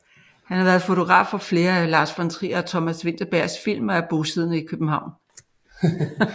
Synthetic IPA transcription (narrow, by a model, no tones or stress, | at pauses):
hænhɑ̈ʋæːɐðˠfo̝t͡sʰo̝ɡ̥ʁɑ̰̈ːfɒ̽fle̝ːɐælɑ̈ːsfɑnt͡sʰʁḭːɐːt͡sʰɒ̽mæsʋe̝n̰d̥ɐb̥æɐ̰sfil̰mɒæb̥o̝ːsið̰ˠnəikʰøb̥m̩hɑ̈ʊ̰n